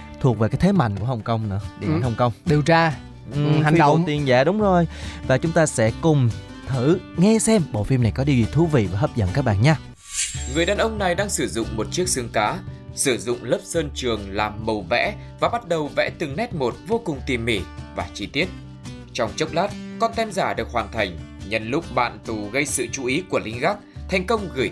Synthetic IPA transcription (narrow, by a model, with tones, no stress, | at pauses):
t̪ʰu˨˩ək̚ve˨˩kaː˨˦jt̪ʰe˨˦ma̰˧˨jŋ̟ku˧˩əɦə˨˩wŋ͡mkə˧wŋ͡mnɨ̰˧˥əɗe˨˧˩a˨˩nhə˧wŋ͡mkə˧wŋ͡mɗi˨˩əwt͡ɕaː˧ | ʔɨ˨˩ha˨˩˨o˧˨t̪i˧ənzaː˧˩ɗʊ˨˦ŋ͡mzo˨˩jvaː˨˩t͡ɕʊ˨˦ŋ͡mt̪aː˧sɛ̰˧˥kʊ˨˩ŋ͡m | t̪ʰɨ˧˩ŋɛ˧sɛ˧mɓo̰˧˨fi˧mna˨˩jkɔ˨˦ɗi˧vi˨˩t̪ʰu˨˦vḭ˧˨vaː˨˩ɦəː˦˥p̚zə̰˧˨nkaː˦˥k̚ɓa̰ː˧˨nɲaː˧ | ŋɨ˨˩əjɗaː˨˩nʔə˧wŋ͡mna˨˩jɗaː˧ŋsɨ˧˩zʊ̰˧˨ŋ͡mmo˨˩t̚t͡ɕi˦˥ək̚sɨ˧əŋkaː˨˦sɨ˧˩zʊ̰˧˨ŋ͡mləː˦˥p̚səː˧nt͡ɕɨ˨˩əŋlaː˨˩mːə˨˩wvɛ̰˧˥ | vaː˨˩ɓa˦˥t̚ɗə˨˩wvɛ̰˧˥t̪ɨ˨˩ŋnɛ˦˥t̚mo˨˩t̚vo˧kʊ˨˩ŋ͡mt̪i˨˩mːi˧˩vaː˨˩t͡ɕi˧t̪i˦˥ət̚ | t͡ɕɔ˧wŋ͡mt͡ɕə˦˥wk͡p̚laː˦˥t̚kɔ˧nt̪ɛ˧mzaː˧˩ɗɨ˨˩ək̚hwaː˨˩nt̪ʰa˨˩jŋ̟ɲə̰˧˨nlʊ˦˥k͡p̚ɓa̰ː˧˨nt̪u˨˩ɣə˧jsɨ̰˧˨t͡ɕu˨˦ʔi˨˦ku˧˩əlï˨˦ŋ̟ɣaː˦˥k̚t̪ʰa˨˩jŋ̟kə˧wŋ͡mɣɨ˧˩j